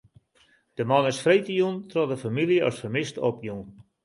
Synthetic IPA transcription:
d̥əmɔnɪsfrejtəjuntrɔdəfamilˠjəɔ̰sfəmɪstopjun

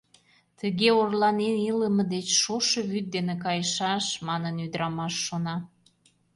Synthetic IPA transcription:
t̪əɣeorlɑneniləmə̆d̪et͡ɕʃoʃəβyt̪̚d̪enekɑjəʃɑʃmɑnənyd̪əɾɑmɑʃːonɑ

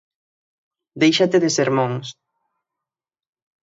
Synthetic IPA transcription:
d̪ejʃat̪eðɪseɾmõŋs

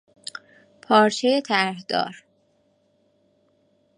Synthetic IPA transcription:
pʰɒːɾt͡ʃʰejet̪ʰæɾhd̪ɒ̰ːɾ

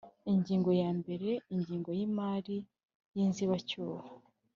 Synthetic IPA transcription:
iɲɟiːŋɡo̞jaːmbe̞ɾe̞iɲɟiːŋɡo̞jimaːɾi | jiːnziβacuːha

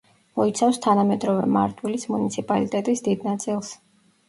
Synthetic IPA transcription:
mɔit̪sʰafst̪ʰanamɛd̪ɾɔvɛma̰ɾt̪ʼʰwilismunit̪sʰipʼalit̪ʼɛt̪ʼisd̪id̪nat̪sʼilˠs

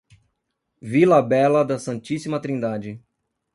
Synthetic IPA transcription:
vilɐbɛlɐd̪ɐsɐ̃nt͡ʃisimɐt̪ɾĩnd̪ad͡ʒɪ

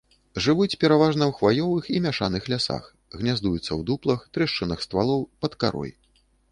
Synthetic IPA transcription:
ʐɨvut͡sʲpʲɛɾavaʐnɐwxvajɔvɨximʲaʂanɨxlʲasa̰x | ɣnʲazd̪ujut̪sːɐwd̪uplˠɐxt̪ɾɛʂt͡ʂɨnɐxst̪valˠɔwpɐt̪ka̰ɾɔ̰j

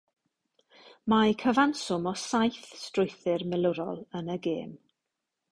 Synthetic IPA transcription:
makʰəvansʊmɔsajθstrʊjθɪrmɪlˠʊɾɔ̰lˠənəɡeːm

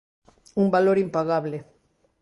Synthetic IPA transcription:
umbaloɾimpaɣaβlɪ

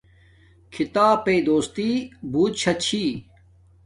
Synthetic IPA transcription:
kʰit̪aːpeːd̪oːst̪iːbuːt̪̚ɕʰɐt͡ɕʰiː

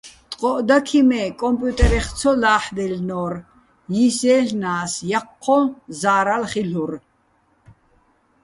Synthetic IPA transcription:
t̪ʼqʼɔʔd̪akʰimɛːkʼɔmpʼjut̪ʼɛɾɛχt̪t͡sʰɔlaːħd̪ɛlnɔːɾ | jisɛːɬnaːsjaqʰːɔnzaːɾalχiɬuɾ

